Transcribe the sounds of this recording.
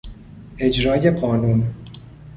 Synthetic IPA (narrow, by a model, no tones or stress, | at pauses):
e̞d͡ʒɾɒːje̞ɢɒːnuːn